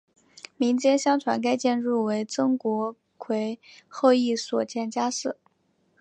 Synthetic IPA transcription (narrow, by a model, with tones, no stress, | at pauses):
mi˧˥ŋt͡ɕjɛ˥nɕjɑ˥ŋʈ͡ʂʰwa̰˧˥nka˥ɪt͡ɕjɛ˥˧nɻu˥˩we˧˥ɪt͡sɤ˥ŋkwɔ˧˥ | kʰwe˧˥ɪxo˥˧ʊi˥˩swɔ˨˩t͡ɕjɛ˥˩nt͡ɕja˥ʂɻ̩˥˩